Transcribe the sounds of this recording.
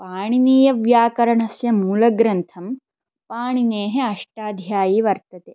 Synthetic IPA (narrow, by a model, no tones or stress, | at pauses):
paːɳiniːjɐʋjaːkɐɾɐɳɐsjɐmuːlɐɡɾɐnt̪ʰɐm | paːɳineːɦeɐʂʈaːd̪ʱjaːjiːʋɐɾt̪ɐt̪e